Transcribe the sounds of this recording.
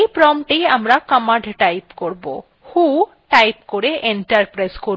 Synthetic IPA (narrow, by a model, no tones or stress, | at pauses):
jpɾɔmʈejamɾakamaɖʱʈajpkoɾbo̰ | hu | ʈajpkoɾeʔeɳʈaɾpɾajskoɾ